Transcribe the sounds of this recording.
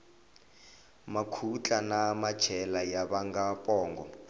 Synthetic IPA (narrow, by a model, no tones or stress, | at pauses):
makʰut͡ɬʼanamḁt͡ʃʰɛlajaβaŋɡapʼɔːŋɡɔ